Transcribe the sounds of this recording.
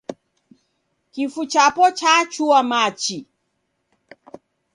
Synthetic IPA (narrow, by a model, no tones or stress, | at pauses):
kifut͡ʃapɔt͡ʃat͡ʃuamat͡ʃi